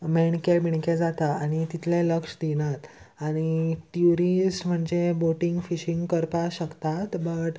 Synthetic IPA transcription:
meɳkebʱiɳked͡zat̪aaɽ̃it̪it̪ʰleləkʂd̪inat̪ | aɽ̃iʈ̪juɾisʈm̤əɳd͡zeboʈiŋɡfiɕiŋɡkəɾpaɕəkt̪at̪bəʈ

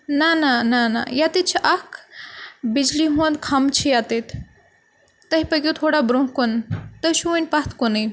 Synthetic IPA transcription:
nananana̰jat̪it͡ʃʰiʔak | bid͡ʒliɦũə̃nd̪kʰamt͡ʃʰijaːt̪et̪ʰ | ɐɦipɐɡʲjut̪ʰoːɽabɾõɦkont̪əʃuənʲpat̪ʰkonəj

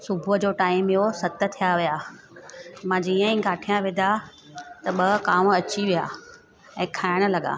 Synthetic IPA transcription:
sʊbʱʊəd͡ʑoːʈaːɪmjosɐt̪ə̆t̪ʰijaʋija | mãd͡ʑiːə̃ĩɡaːʈʰijãʋɪd̪ʱa | t̪ɐɓɐkaːmɐt͡ɕiʋija̰ː | ɛ̃ːkʰaːɪɽ̃ə̆lɐɡa̰ː

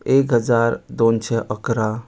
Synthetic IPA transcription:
ekɦəd͡ʒaɾd̪ont͡ʃʰɛʔəkɾa

